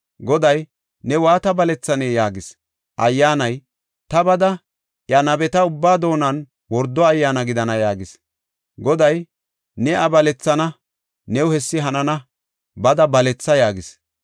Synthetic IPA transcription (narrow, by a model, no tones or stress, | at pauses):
ɡɔd̪ɐj | nɛwaːt̪ɐbɐlɛt͡sːɐneːjaːɡɪs | ʔɐjːaːnɐj | t̪ɐbɐd̪ɐ | ʔjɐnɐbɛt̪ɐʊbːaːd̪o̞ːnɐn | wɔɾd̪ːɔɐjːaːnɐɡɪd̪ɐnɐjaːɡɪs | ɡɔd̪ɐj | nɛɐbɐlɛt͡sːɐnɐ | nɛwhɛsːɪɦɐnɐnɐ | bɐd̪ɐbɐlɛt͡sːɐjaːɡɪs